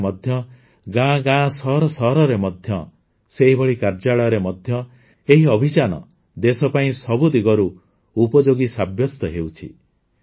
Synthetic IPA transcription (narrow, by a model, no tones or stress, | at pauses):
mɔd̪ʱjɔ | ɡãɡãːsɔɾɔsɔɦɾɔɾemɔd̪ʱjɔ | seɦibɔɭikaɾd͡ʒaɭɔjɾemɔd̪ʱjɔ | eɦiɔbʱit͡ʃanɔ̰ | d̪esɔpaĩsɔbud̪iɡɔɾu | upɔd͡ʒoɡisabʱjɔst̪ɔɦeut͡ʃʰḭ